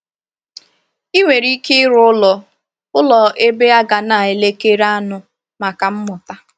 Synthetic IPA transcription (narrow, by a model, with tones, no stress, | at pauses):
i˦ŋʷe˨ɾi˦kɪ˦ɾʊ˦ʊ˦lɔ˨ | ʊ˦lɔ˨ʔe˦be˦a˦ɡa˨na˨e˨le˦ke˦ɾa˦nʊ˦ | ma˨ka˨m̩˦mʊ˨ta˦